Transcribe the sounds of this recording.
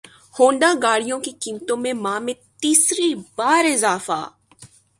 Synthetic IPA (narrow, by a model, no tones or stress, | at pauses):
hõːɳɖaːɡaːɽijõkikiːmt̪õmẽmãːmẽt̪iːsɾibaːɾɪzaːfa̰ː